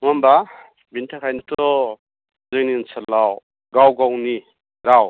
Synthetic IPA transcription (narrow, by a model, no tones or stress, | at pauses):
ŋamba | bintʰakʰajnɯtɔ | zɯŋninsʰalaw | ɡawɡawni | ɾaw